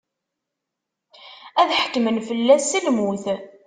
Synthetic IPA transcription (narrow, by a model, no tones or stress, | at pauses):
æðħə̥kːmənfəlːæsːilmuθ